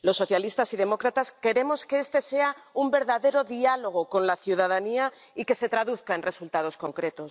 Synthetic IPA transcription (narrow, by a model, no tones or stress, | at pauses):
lo̞sːo̞θjalist̪asiðe̞mo̞kɾat̪aske̞ɾe̞mo̞ske̞est̪e̞se̞aumbe̞ɾðaðe̞ɾo̞ðialo̞ɣ̞o̞ko̞nlaθjuð̞að̞ania | ike̞se̞t̪ɾaðuθkae̞nre̞sult̪að̞o̞sko̞ŋkɾe̞t̪os